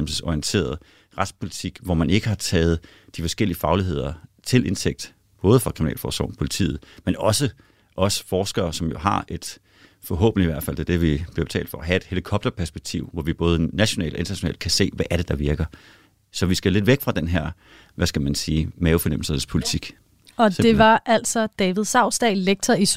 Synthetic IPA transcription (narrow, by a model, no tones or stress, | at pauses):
ml̩səsɒiənt͡sʰe̝̰ːɐð̞̩ˠ | ʁɑ̈d̥spʰo̝lit͡sʰiɡ̥ʋɒmæne̝ɡ̥əhɑ̈t͡sʰɛːð̞̩ˠ | d̥ifɒ̽sɡ̥el̰iəfɑ̈ʊliɦe̝ð̞̰ˠɐt͡sʰe̝lʔe̝nt͡sʰeɡ̥̚d̥ | b̥ɔ̽ːð̞ˠəfɑ̈kʰʁ̥iminɛ̰ːlfɒ̰ːsɒ̰ʊmpʰo̝lit͡sʰḭːð̩ˠmenɒ̽sə | ʔɒ̽sə̥fɒːsɡ̥ɐːsɒ̽mjo̝ɦɑ̈ʔe̝d̥ | fɒ̽ɦɔ̰̽ːb̥n̩liʋæɐd̥fæl̰d̥e̝d̥e̝ʋib̥iɐb̥e̝̥t͡sʰɛ̰ːld̥fɒæɦæe̝d̥he̝likʰɒ̽b̥d̥ɐpʰæɐsb̥eɡ̥̚t͡sʰiʊ̰ʋɒʋib̥ɔ̽ːð̞ˠənæɕo̝nɛ̰ːl̥ɒ̽e̝nd̥ʰɐnæɕo̝nɛ̰ːld̥kʰæse̝̰ːʋæʔæɐɾ̥e̝d̥ɑ̈ʋiɐɡ̥ɐ | sɒ̽ʋisɡ̥æle̝d̥ʋeɡ̥fʁɑ̈d̥enɦæɐ̰ | ʋæsɡ̥æmænsiːmɛːʊfɒ̽nem̰l̩sɐnspʰo̝lit͡sʰiɡ̥ | ɒ̽d̥e̝ʋɑ̈ʔæl̰sɒ̽d̥ɛːʋið̞̩ˠsɑ̈ʊ̰sd̥ɛɪleɡ̥̚t͡sʰɐi